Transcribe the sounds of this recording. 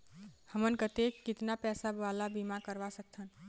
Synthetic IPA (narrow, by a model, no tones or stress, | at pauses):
həmənkət̪ekːit̪napɛsabalabimakəɾʋasək̚t̪ʰən